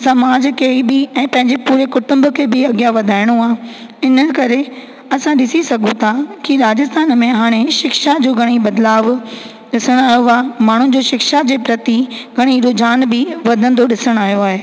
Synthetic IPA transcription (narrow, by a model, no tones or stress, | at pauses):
sɐmaːd͡ʑkʰebɪɛ̃ːpɐ̃ɦɪ̃ɲd͡ʑepuːɾekʊʈʊ̃mbʊkʰebɪɐɡijaʋɐd̪ʱaːɪɽ̃uaː | ɪnəkɐɾe | ɐsãɗɪsisɐɡʱũt̪ʰakiɾaːd͡ʑɪst̪aːnmẽɦaːɽ̃eʃɪkʃad͡ʑoːɡʱɐɽ̃ibɐd̪laːʋ | ɗɪsəɽ̃aːjoaːmaːɳ̤ũd͡ʑoːʃɪkʃad͡ʑeːpɾɐt̪iɡʱɐɽ̃iɾod͡ʑaːnbɪʋɐd̪ʱə̃nd̪oɗɪsəɽ̃aːɦjoaːɦeː